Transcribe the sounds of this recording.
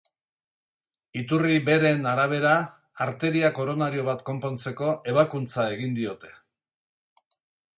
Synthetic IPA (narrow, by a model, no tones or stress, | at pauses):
it̪uriβe̞ɾe̞naɾaβ̞e̞ɾaː | ɾt̪e̞ɾiako̞ɾo̞naɾio̞βat̪ko̞mpo̞nt͡se̞ko̞ʔe̞β̞akunt͡sae̞ɣind̪io̞t̪e̞̥